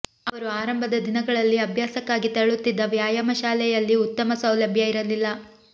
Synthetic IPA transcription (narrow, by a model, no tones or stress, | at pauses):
ɐʋɐɾuaːɾɐmbʱɐd̪ɐd̪inɐɡɐɭɐlːiɐbʱjaːsɐkːaːɡit̪ɐɭut̪ːid̪ːɐʋjaːjɐmɐʃaːlɛjɐlːiut̪ːɐmɐsɐwlɐbʱjɐiɾɐlilːɐ